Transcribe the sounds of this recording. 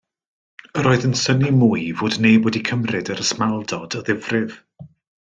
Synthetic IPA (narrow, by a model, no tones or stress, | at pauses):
əɾɔːɨðənsənimuːjvoːdnejbwɛdikʰəmrɪdəɾəsmalˠdɔd̥ɔðɪvrɪv̥